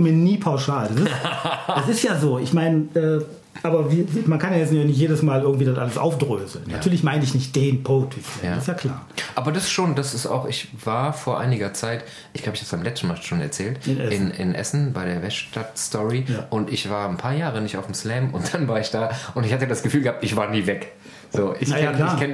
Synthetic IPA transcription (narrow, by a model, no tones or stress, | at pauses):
miːɐniːpʰaʊʃaːldasɪsɛsɪstjaːzoːɪçmaɪnəʔɛː | ʔaːbɐviːvmankʰanjajɛt͡snanɪçt̬jeːdəsmaːlʔɪɐɡŋ̩tv̥iːdasʔa̰ləsʔa̰ʊfd̥ʁøːzl̩nnatyɐlɪçmaɪnəɪçnɪçt̚d̥eːnpʰoːtʰɪsɛaɪstjaːkʰl̥a̰ːɐʔaːbɐdasʃoːndasɪsta̰ʊxɪçvaːɐfoːɐʔa̰ɪnɪɡɐt͡saɪt | ʔɪçɡlaːbəɪçhḁpsb̥aɪmlɛt͡stn̩maːlʃoːnɛ̰ɐt͡sɛːltɪnʔɛ̰sɪnɪ̰nʔɛ̰sn̩baɪɾeːɐvɛʃtatstʰɔʁiaːʔʊntɪçv̥aːɐnpʰaːɐjaːʁənɪçta̰ʊfm̩slɛːmʊ̰nt̚d̥anvaːɐɪçd̥aːʔʊntɪçhat̬əjadasɡ̥əfyːlɡəhap̚tɪçv̥aːɐniːvɛk | z̥oːʔɪnajaːkl̥aːɐkʰɛn